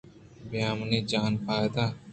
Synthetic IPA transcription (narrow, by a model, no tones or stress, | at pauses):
bɪjaːmniːd͡ʒaːnpʰaːjd̪aː